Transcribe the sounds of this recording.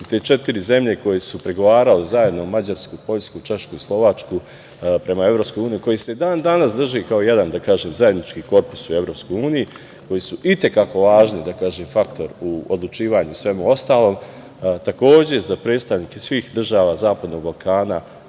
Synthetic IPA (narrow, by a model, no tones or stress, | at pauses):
it̪eːt͡ʃe̞t̪iɾize̞mʎe̞ko̞jesupɾeɡo̞ʋaːɾalezaje̞d̪no̞mad͡ʑaɾskupo̞ʎskut͡ʃe̞ʃkuislˠo̞ʋat͡ʃku | pɾe̞mae̞vɾo̞ːpskojuːnijuko̞jise̞d̪aːnd̪anasd̪r̩ʒikaoje̞d̪and̪akaːʒeːmzaje̞d̪nit͡ʃkiːko̞ɾpu̥sue̞vɾo̞ːpsko̞juːniji | ko̞jisuʔit̪e̞kako̞ʋaːʒnid̪akaːʒemfakt̪o̞ɾuod̪lˠut͡ʃiːʋaːɲusʋe̞muo̞st̪aːlˠo̞ːm | t̪ako̞ːd͡ʑe̞zapɾe̞ːt̪st̪aʋniːkesʋiːxd̪r̩ʒaːʋaːzaːpad̪no̞ɡ̚balˠkʰaːna